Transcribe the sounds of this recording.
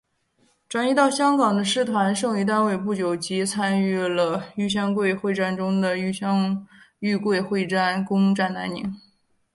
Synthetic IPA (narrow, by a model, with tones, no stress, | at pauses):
ʈ͡ʂwa˨˩ni˥t̪ɑ˥˩ʊɕjɑ˥ŋkɑ˨˩ŋd̪ə˦ʂɻ̩˥˩t̪ʰwa˧˥nʂɤ˥˧ŋy˧˥t̪̬a˥˧nwe˥˧ɪpu˥˩t͡ɕjo˨˩ʊt͡ɕi˧˥t͡sʰa˥ny˥˩lə˩y˥˩ɕ̬jɑ˥ŋkwe˥˧ɪxwe˥˧ɪʈ͡ʂa˥˩nʈ͡ʂʊ˥ŋd̪ə˨y˥˩ɕjɑ˥ŋy˥˧kwe˥˧ɪxwe˥˧ɪʈ͡ʂa˥˩nkʊ˥ŋʈ͡ʂa˥˩nna˧˥nnḭ˧˥˦ŋ